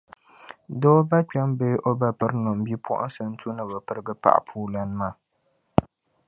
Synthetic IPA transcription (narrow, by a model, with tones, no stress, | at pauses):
doː˦ba˦k͡pɛ˦mbe˦ʔo˦ba˨pɨ˦ɾnɔ˨m˨bi˦pʰɔ̰˦ʔʊ̰˦n˦sɨ˨n̩˦tu˦nɨ˨ba˨pɨ˨ɾɨ˦ɡɨ˦pa̰˨ʔa̰˨pʰuː˦la˨nɨ˦maː˨